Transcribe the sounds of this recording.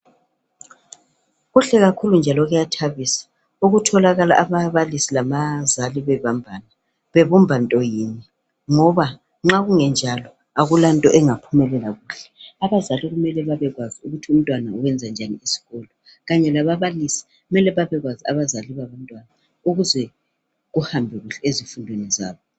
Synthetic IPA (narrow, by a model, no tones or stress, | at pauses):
ɣuɬɛɣakʰulund͡ʒʱalɔɣɛjatʰaβisḁ | uɣutʰɔlaɣala̰ʔaβaβalisilamazaliβɛβambʱana | βeβumbʱantʼɔjiːɲɛ | ŋɔβa | ŋ͡ǁaɣuŋɛnd͡ʒʱalɔ | aɣulantʼɔʔɛŋapʰumɛlɛlaɣuːɬɛ̥aβazaliɣumɛlɛβaβɛɣwaziuɣutʰium̩tʼwanauwɛnd͡zʱand͡ʒʱanḭisi̥ɣɔlɔ | ɣaɲɛlaβaβalisi̥ɣumɛlɛβaβɛɣwazia̰βazaliβaβantʼwana | uɣuzɛ | ɣuhambʱɛɣuɬɛezifundʱweniza̰ːβɔ